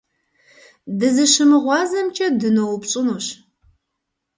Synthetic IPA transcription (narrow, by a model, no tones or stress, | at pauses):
dɨzɨʃɨmɨʁʷɑːzɐmt͡ʃʰʼɐdɨnowpɕʼɨnuːɕ